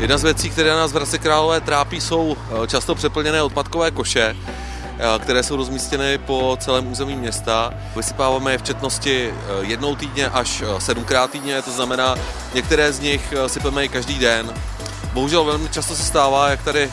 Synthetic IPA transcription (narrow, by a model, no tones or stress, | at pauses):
jɛdnazvjɛt͡siːkt̪ɛɾɛːnaːzvɾazɪkɾaːlo̞vɛːt̪ɾaːpiːso̞wt͡ʃast̪o̞pr̥ɛpl̩ɲɛnɛːot̪̚pat̪ko̞vɛːko̞ʃɛ | kt̪ɛɾɛːso̞wɾo̞zmiːscɛnɪpo̞t͡sɛlɛːmuːzɛmiːmɲɛst̪a | vɪsɪ̥paːvaːmɛjɪft͡ʃɛt̪no̞scɪ | jɛdno̞wt̪iːdɲɛʔaʃsɛdumkɾaːt̪ːiːdɲɛt̪o̞znamɛnaː | ɲɛk̚t̪ɛɾɛːzɲɪxsɪpɛmɛɪkaʒdiːdɛn | boɦuʒɛlvɛlmɪt͡ʃast̪os̬ɛst̪aːvaːjak̚t̪adɪ